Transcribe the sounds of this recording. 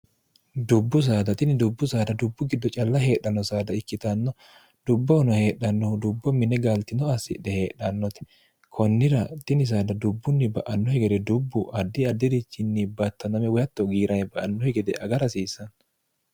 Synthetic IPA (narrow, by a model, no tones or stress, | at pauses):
d̪ʊbːʊs̬aːd̪ɐt̪ɪnɪd̪ʊbːʊsaːd̪ɐd̪ʊbːʊɡɪd̪ːɔt͡ʃʼɐlːɐɦe̞ːɗːɐnːɔsaːd̪ɐɪkːɪt̪ɐnːɔ | d̪̥ʊbːɔhʊnɔhe̞ːɗːɐnːɔhʊd̪ʊbːɔmɪnɛɡaːlt̪ɪnɔɐsːɪ̰ᶑɛhe̞ːɗːɐnːɔt̪ɛ̥ | kʰɔnːɪɾɐt̪ɪnɪs̬aːd̪ɐd̪ʊbːʊnːɪbɐ̰ʔɐnːɔhɛɡɛd̪ɛd̪ʊbːʊʔɐd̪ːɪɐd̪ːɪd̪ɪt͡ʃːɪnːɪbɐt̪ːɐnɐmɛwɔjɐt̪ːɔɡiːɾɐnɛbɐʔɐnːɔhɛɡɛd̪ɛʔɐɡɐɾɐsiːsːɐn